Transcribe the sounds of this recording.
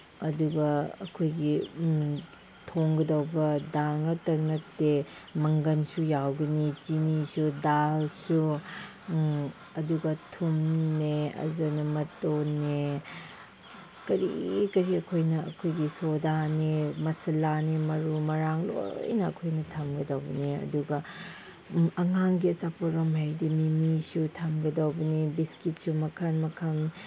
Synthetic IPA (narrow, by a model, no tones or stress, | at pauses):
ɐduɡɐɐkʰojɡi | tʰoŋɡɐdɐwbɐdaŋɐtɐɾnɐk̚temɐŋɡɐnsujawɡɐnit͡ʃinisudalsu | ɐduɡɐtʰumneɐ̰zɐnɐmɐtonːe | kɐɾḭkɐɾiɐkʰojnɐɐ̰kʰojɡisodanemɐsɐlanemɐɾumɐɾaŋlo̰jnɐ̰ːkʰojnɐtʰɐmɡɐdɐwbɐniɐ̰duɡɐ | ɐŋaŋɡiɐt͡ʃapoɾɐmɦajdimimisutʰɐmɡɐdawbɐnibiskit̚sumɐkʰɐnmɐkʰɐn